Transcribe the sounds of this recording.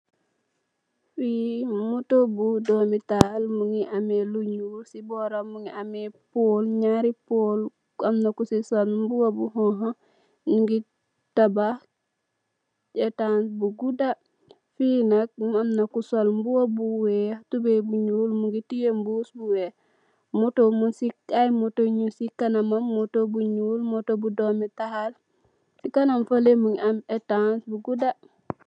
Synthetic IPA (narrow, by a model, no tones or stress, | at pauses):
fimutobudomitalmuŋiʔameluɲulsiboɾamuŋiamepoːlɲaɾipoːl | amnakusisalmbuwabuɦõɦo | nuŋɡi | taba | d͡ʒetanbuɡuda | finak̚amnakusolmbuwabuwetubebuɲuːlmuŋɡitijembusbuwe | motomunsiajmotoɲusikanamamːotobuɲuːlmotobudometahal | sikanamfalemuŋametansbuɡuda